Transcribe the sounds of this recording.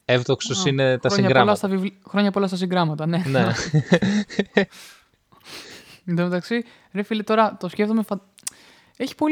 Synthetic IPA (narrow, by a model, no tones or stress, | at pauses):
evðoksosinet̪ɐɾosiɲɐɡɾɐlɐsst̪ɐvivlxɾo̞ɲɐpolɐst̪ɐs̬iŋɡɾɐmɐt̪ɐne̞ne | ðemet̪ɐksi | ɾefilet̪o̞ɾɐt̪o̞scʲe̞ft̪omefɐ | eçi̥po̞